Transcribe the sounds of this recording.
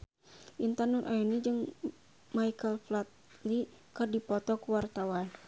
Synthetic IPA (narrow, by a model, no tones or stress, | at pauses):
ʔint̪anurʔajunid͡ʒɨŋ | majkəlflat̪̚ | li | kɨrdipɔt̪ɔkuwart̪awan